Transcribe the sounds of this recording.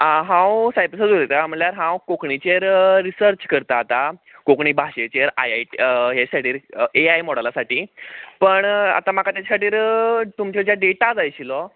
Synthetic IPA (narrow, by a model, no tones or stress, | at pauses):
aɦãwsajpəsəd͡zuɾet̪am̤əɭljaɾɦãwkokɳit͡ɕeɾːisəɾt͡ɕkəɾt̪aːt̪akokɳiːbʱaɕet͡ɕeɾajaʈɦesaʈiːɾeajmɔɽalasaʈiːpəɳa̰t̪amakat̪jat͡ɕasaʈiːɾt̪umt͡ɕed͡ʑjaɖeʈad͡zajɕilɔ